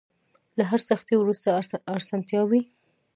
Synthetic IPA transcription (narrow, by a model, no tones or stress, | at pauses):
laɦaɾsaxt̪iwɾust̪aːɾsɑnt̪jɑwi